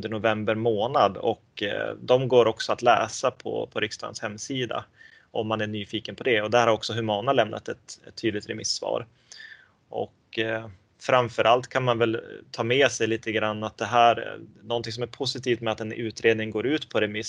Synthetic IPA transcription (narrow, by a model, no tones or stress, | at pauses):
ɵnd̪əɳʊvɛmbəɾmoːnad̪ɔ̰kd̪ɔmɡoːɾɔksɔat̪lɛ̰ːsapʰɔ̰pʰɔɾɪkst̪ɑ̰ːd̪ə̰nshɛmːsiːd̪a̰ | ʔɔmːanæɳyːfiːkənpʰɔd̪ɛɔd̪ɛhæɾhaɾɔksɔɦɵmɑːnnalɛmnʔa̰t̪ɛt̪ɛt̪ʰːyːd̪lɪɡt̪ɾɛmɪsːvɑ̰ːɾ | ʔɔ̰k | fɾamfœɾʔalt̪kʰanmanvɛlt̪ʰɑːmɛsɛjliːt̪əɡɾanːat̪̚d̪ɛɦæːɾnɔnt̪ɪŋs̬ɔmæɾpʰʊsɪt̪ʰiːft̪mɛat̪ɛnʉ̟ːt̪ɾeːd̪nɪŋɡoːɾʉ̟ːt̪pʰɔɾɛmɪs